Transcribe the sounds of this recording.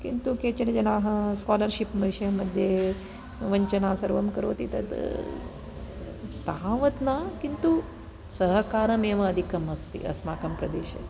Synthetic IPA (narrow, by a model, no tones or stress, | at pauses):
kḭnt̪uket͡ʃɐned͡ʒɐnaːɦɐskaːlɐɾʃipmɐʃɐmɐd̪ʱje | ʋɐɲt͡ʃɐnaːsɐɾʋɐmkɐɾo̰ːt̪it̪ɐ̰t̪ | t̪aːʋɐt̪nakint̪u | sɐɦɐkaːɾɐmeʋɐːd̪ʱikɐmɐst̪ḭɐ̰smaːkɐmpɾɐd̪ḛːʃɐ̰